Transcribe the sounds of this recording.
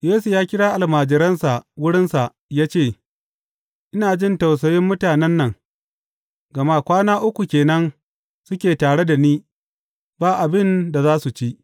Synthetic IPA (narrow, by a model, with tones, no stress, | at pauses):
jeː˦su˨jaː˦kʲɪ˦ɽaː˦ʔa˨lmaː˨d͡ʒɪ˨ɾɐ˦nsa˨ʔwʊ˦ɽɪ˦nsa˨ʔ | jaː˦t͡ʃeː˦˨ | ʔɪ˦naː˨d͡ʒɪ˦nta˨ws̬ɐ˨jɪ˦mːʊ˦taː˨nɛ˦nːɐ˨ŋ | ɡɐ˨ma˦kʷaː˦naː˦ʔʊ˦kʷu˨kʲeː˨nɐ˦ŋ | sʊ˦kʲeː˨taː˨ɽe˦da˨niː˦ | baː˦ʔa˨bɪ˦nda˨zaː˦su˨t͡ʃi˦ʔ